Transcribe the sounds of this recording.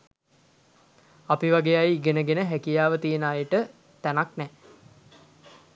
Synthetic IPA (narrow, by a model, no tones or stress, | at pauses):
apiʋaɡeajiɡenəɡenəɦækijaːʋət̪ijənaːjəʈə | t̪ænaknɛ